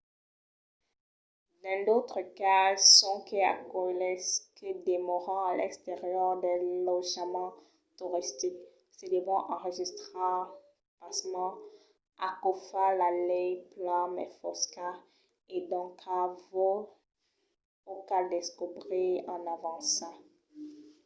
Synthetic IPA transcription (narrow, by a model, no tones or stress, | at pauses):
d̪ɛ̃d̪ot̪χəkasɔ̃kea̰kɔlɛskəd̪emɔʁɑ̃alʔɛkst̪eʁjœʁd̪ɛ̃lɔʒəmɑ̃ | t̪uʁist̪ik | səd̪əvɔ̃ʔɑ̃ʁəʒist̪χã | pasmɑ̃ | akofalalɛjplãmɛ̰fɔska | ed̪ɔ̃kʰavo | okad̪eskubʁeɑ̃navɑ̃sɑ̃